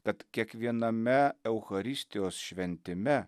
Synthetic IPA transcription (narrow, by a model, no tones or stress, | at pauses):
kɐt̪kʲiɛkʋʲiɛnɐmʲɛɛʊxɐɾʲɪsʲt̪ʲɪjoːsʃʲʋʲɛnʲt̪ʲɪmʲɛ